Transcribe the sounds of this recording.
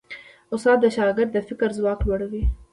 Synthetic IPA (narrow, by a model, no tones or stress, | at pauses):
ʊsɑːb̪̚d̪əʃɑɡɪɾd̪ːəfɪkɾzwɑklwaɽawi